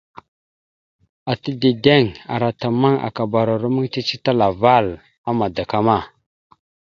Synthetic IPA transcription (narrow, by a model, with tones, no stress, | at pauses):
a˨tə˦de˨de˦˨ŋa̰˨ɾa˨ta˨ma˦ŋa̰˨ka˨ba˨ɾa˨ɾu˦mə˦ŋ˦t͡ʃi˦t͡ʃi˦ta˦la˨va˦˨l | a˦ma˨da˨ka˦ma˦˨